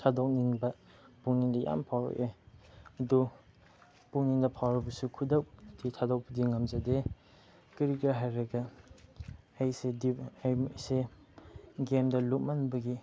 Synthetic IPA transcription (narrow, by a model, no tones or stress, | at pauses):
tʰadok̚niŋbɐ | puŋnindɐja̰mpʰawɾo̰keɐdu | puŋnindɐpʰawɾɐbɐsukʰudɐkditʰadok̚pudiŋɐmzade | kiɾikɾaɦajɾɐɡɐ | ajsedijmse | ɡemdɐluk̚manbɐɡi